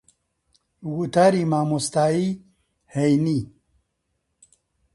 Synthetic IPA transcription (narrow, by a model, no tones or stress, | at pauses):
wut̪aɾimaːmust̪aːi | hejni